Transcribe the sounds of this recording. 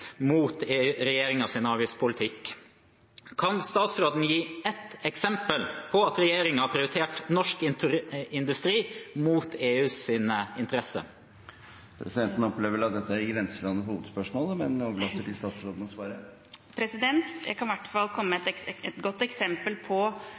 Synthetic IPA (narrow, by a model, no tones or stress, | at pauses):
muːt̪eːɾɛjeːɾɪŋɑsɪnɑːʋɪspʰʊlɪt̪ʰɪkː | kʰɑnst̪ɑːt̪sɾoːd̪n̩jiːɛt̪ɛksɛmpəlpʰɔɑt̪ɾɛjeːɾɪŋɑpʰɾɪʊɾɪt̪ʰeːʈnɔʂkɪnt̪ɪnd̪ʉst̪ɾiːmuːt̪ʰeːʉːsɪnəɪnt̪əɾɛsə̰ | pʰɾɛ̰sɪd̪ɛnt̪n̩ɔpleːʋəɾɑt̪̚d̪ɛt̪ːəæɾɡɾɛnsəlɑnəhuːʋəd̪spœʂmoːləmɛnoːʋəlɑt̪ːəʈɪst̪ɑːt̪sɾoːd̪ən̩ɔsʋɑːɾə | pʰɾɛsɪd̪ɛnt̪jæ̰ɡkʰɑnʋæʈfɑlkʰɔmːəɛt̪ɛt̪ɡɔt̪ːɛksɛmpəlpʰɔ